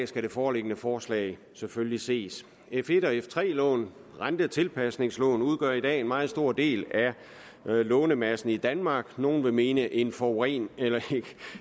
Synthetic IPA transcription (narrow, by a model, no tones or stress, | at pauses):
sɡ̥æɾ̥e̝fɒːle̝ɡ̥ənəfɒːslɛ̰ɪ | seføllise̝̰ːs | efe̝ɾ̥ɒ̽eft͡sʰʁɛ̰ːlɔ̽ːn | ʁand̥ət͡sʰe̝lpʰæsne̝ŋslɔ̽ːn̩uð̞ˠɡ̥ɶɐ̰id̥ɛ̰ːe̝nmɑ̈ːð̩ˠsd̥o̝ɐ̰d̥e̝̰ːlæ | lɔːnəmæsn̩id̥ænmɑ̈ːɡ̥no̝ːn̩ʋe̝me̝ːnəʔe̝nfɒʁḭːnelɐeɡ̥ə